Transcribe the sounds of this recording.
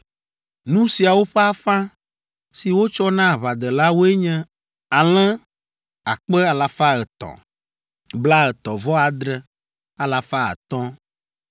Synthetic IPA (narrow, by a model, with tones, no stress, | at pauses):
nũ˦si˨a˨wo˦ɸɛ˦a˦fã˦ | si˨wo˦t͡ʃɔ˦nã˦˨βa˨d̪ɛ˨la˦wo˦ɛ˦ɲɛ̃˦ | a˨l̃ɛ̃˦ | a˨k͡pɛ˦a˨la˨fa˦ɛ˨t̪ɔ̰˨ | bla˦ɛ˨t̪ɔ˨vɔ˦a˨d̪ɾɛ˨ | a˨la˨fa˦ə̰˨t̪ɔ̃˦